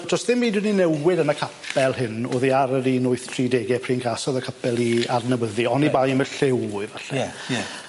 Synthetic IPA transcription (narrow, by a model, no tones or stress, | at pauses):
d̥ʰrɔsðɪmːiːdwɪninɛwɪdənəkʰapʰɛlˠɦɨno̰ːðiaɾəɾinʊɨθtʰriːdeːɡɛpʰriːnɡasɔðəkʰapʰɛlˠiarnəwəðiɔnibajmɛɬɪwɨvɛɬɛ